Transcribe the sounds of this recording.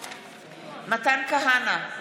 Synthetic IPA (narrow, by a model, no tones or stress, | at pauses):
matankaɦana